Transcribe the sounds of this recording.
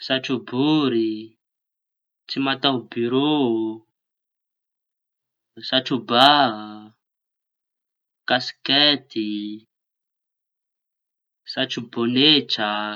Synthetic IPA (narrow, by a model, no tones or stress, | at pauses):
saʈ͡ʂubuɾi | t͡simat̪aɦbyɾo | saʈ͡ʂuba | kasket̪i | saʈ͡ʂuboneʈ͡ʂa